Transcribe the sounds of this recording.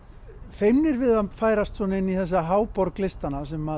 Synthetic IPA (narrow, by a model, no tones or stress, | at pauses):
fejmnɪɾvɪðafaːjɾast̪sɔːnaɪnːiθɛs̬ːaɦaːwpɔɾklɪst̪anasɛma